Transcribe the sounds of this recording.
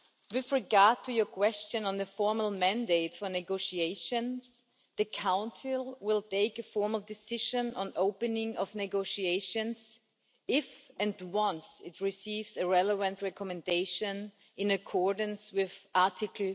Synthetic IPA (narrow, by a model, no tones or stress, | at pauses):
wɪðɹɪɡɑɹd̚tʰujə˞kʰw̥ɛst͡ʃɨ̃nə̃nðɨfɔɹml̩ˠmæ̃ndeɪtfə˞nɨɡoʊʃieɪʃɨ̃nz̥ | ðɨkʰãʊ̃nsɪlˠwɪlˠtʰeɪkɨfɔɹml̩ˠdɨsɪʒɨ̃nə̃noʊpɨnɪ̃ŋʌvnɨɡoʊʃieɪʃɨ̃nz | ɪfɨ̃ndwʌ̃nsɪt̚ʰɹɪsivzɨɹɛləvə̃ntɹɛkɔmɨ̃ndeɪʃɨ̃n | ɪ̃nɨkʰɔɹdn̩swɪðaɹtʰɪkʰl̩ˠ